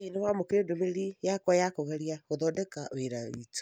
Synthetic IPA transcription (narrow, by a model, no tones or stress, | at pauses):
inewamokeedomeɾijakwajakoɣaɾiaɣoðɔdɛkaweɾawḭtu̥